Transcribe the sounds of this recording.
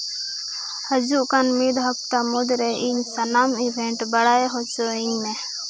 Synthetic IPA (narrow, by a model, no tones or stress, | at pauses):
həd͡ʒuʔkanmiːd̪ɦək̚t̪amʊd̪ɾeʔiːnsənaːmibʱẽɳʈbəɽaːeɦot͡ʃoĩːmẽ